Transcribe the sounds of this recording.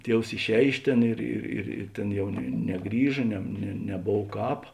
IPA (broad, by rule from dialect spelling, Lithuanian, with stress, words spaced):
ˈtʲiɛws ɪʃʲˈɛːj ˈɪʃ ˌtʲeːn ˈɪr ɪr ɪr ɪ ˈtʲeːn ˈjɛʊ nʲɛ nʲɛˈɡrʲiːʒɐ ˈnʲɛ nʲɛ nʲɛˈboːw ˈkɑːp